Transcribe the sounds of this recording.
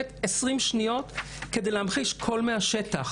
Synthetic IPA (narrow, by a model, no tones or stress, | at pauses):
etesʁimʃnijo̞t | ke̞de̞jlehamχiʃkʰo̞lmeaʃetaχ